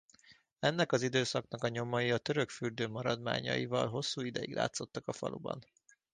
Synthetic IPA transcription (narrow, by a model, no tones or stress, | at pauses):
ɛnːɛkɒzid̪øːsɒknɒkɒɲo̞mɒjiɒt̪ø̞ɾø̞kfyrd̪øːmɒɾɒd̪ma̰ːɲɒ̰jivɒlɦo̞sːuːid̪ɛjiɡlʔa̰ːt̪so̞t̪ːɒkɒfɒ̰lʔṵbɒ̰n